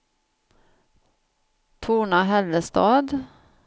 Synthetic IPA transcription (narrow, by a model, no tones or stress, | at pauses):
t̪ʰuːɳaɦɛld̪əst̪ɑːd̪